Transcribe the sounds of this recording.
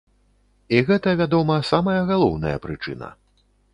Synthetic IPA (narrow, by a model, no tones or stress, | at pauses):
iɣɛt̪ɐvʲad̪ɔmɐsamɐjɐɣalˠɔwnɐ̰jɐ̰pɾɨt͡ʂɨ̰nɐ̰